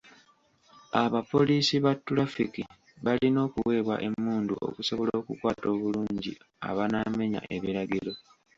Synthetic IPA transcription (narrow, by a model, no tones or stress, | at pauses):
aβapo̞liːsiβatːulafiki | βalino̞ːkuwe̞ːβwa̰ʔe̞mːuːnduo̞̰kuso̞βo̞lo̞ːkukwaːto̞ːβuluːɲɟḭ | a̰βanaːme̞ɲa̰ʔe̞βiɾaɡiɾo̞